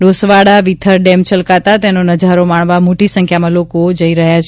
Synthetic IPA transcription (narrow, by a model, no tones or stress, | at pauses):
ɖosʋaɽaʋit̪ʰəɾɖemt͡ʃəlkat̪at̪enonəd͡ʒaɾomaɳʋamoʈisəŋkʰjamãlokod͡ʒəiɾəɦjat͡ʃʰ